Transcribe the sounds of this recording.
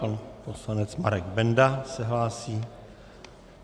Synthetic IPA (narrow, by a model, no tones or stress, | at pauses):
anposlanɛt͡smaɾɛɡbɛndasɛɦlaːsiː